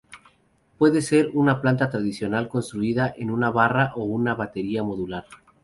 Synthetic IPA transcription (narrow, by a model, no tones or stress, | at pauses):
pwe̞ðe̞se̞ɾunaplant̪at̪ɾaðisjo̞nalko̞nst̪ɾuiðaʔenunaβaraʔo̞unaβat̪e̞ɾiamo̞ðulaɾ